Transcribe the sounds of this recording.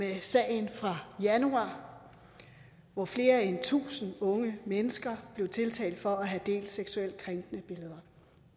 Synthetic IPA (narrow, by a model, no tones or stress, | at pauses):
mesɛ̰ːɪnfʁɑ̈jænuɑ̰̈ː | ʋɒfle̝ːɐent͡sʰṵːsn̩ɔ̽ŋəmenəsɡ̥ɐb̥le̝ʊt͡sʰe̝lt͡sʰɛ̰ːld̥fɒ̽æɦæd̥e̝̰ːld̥seɡ̥suel̰d̥̚kʰʁeŋɡ̥nəb̥e̝ləð̞ˠɐ